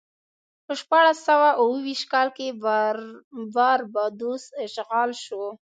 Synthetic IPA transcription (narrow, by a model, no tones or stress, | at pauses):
pəʃpɑɽasːawaʔuwəwiʃt̪kɑlke | vaɾbad̪osʃɣɑlʃo